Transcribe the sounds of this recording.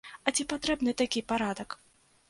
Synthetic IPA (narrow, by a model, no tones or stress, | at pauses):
ɐt͡sʲipat̪ɾɛbnɨt̪akʲipaɾad̪ɐk